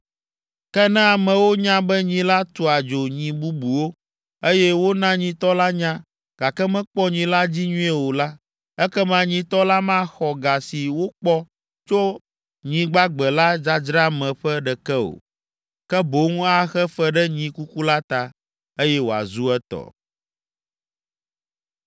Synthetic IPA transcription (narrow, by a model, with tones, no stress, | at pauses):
kɛ˦nɛ̃˦a˨mɛ̃˨wo˦ɲã˦bɛ˦ɲĩ˨la˦t̪u˨a˨d͡ʒo˨ɲĩ˨bu˦bu˨wo˦ | e˦jɛ˦wo˦nã˦ɲĩ˨t̪ɔ˦la˦ɲã˦ | ɡ̥a˨kɛ˦mɛ̃˦k͡pɔ˦ɲĩ˨la˦d͡ʑi˦ɲũ˦ɛ˨wo˨la˦ | ɛ˦kɛ˦mã˨˦ɲĩ˨t̪ɔ˦la˦mã˦xɔ˨ɡa˨si˨wo˦k͡pɔ˦ | t͡ʃo˦ | ɲĩ˨ɡ͡ba˦ɡ͡bɛ˨la˦d͡ʒa˦d͡ʒɾa˦mɛ̃˨ɸɛ˦ɖɛ˨kɛ˦o̰˨ | kɛ˦bo˨˦ŋũ˦a˦xɛ˦fɛ˦ɖɛ˦ɲĩ˨ku˦ku˦la˦t̪a˨ | e˦jɛ˦wo˨a̰˨zu˦ɛ˦t̪ɔ̰˨